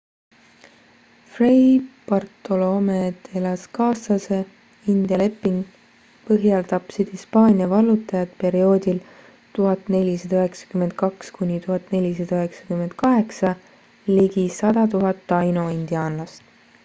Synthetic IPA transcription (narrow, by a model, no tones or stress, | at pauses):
frejb̥ɑrt̪ːo̞lomet̪elɑskɑːsɑse̞ | ind̪̥jɑle̞pːiŋɡ̥ | pɤɦjɑld̪̥ɑpsid̪̥hispɑːnʲiɑvɑlːut̪ːˑɑjɑt̪̚pe̞ɾio̞ːd̪il | t̪uɦɑt̪ːne̞lʲisɑd̪ɑøɦeksɑ̥kymːe̞nd̪̥̚kɑkskunʲit̪uɦɑt̪ːˑne̞lʲisɑd̪̥ɑøɦe̞ksɑ̥kymend̪̥̚kɑɦe̞ksɑ | liɡisɑd̪̥ɑt̪uɦɑt̪ːɑjnoind̪̥iɑːnlɑst̪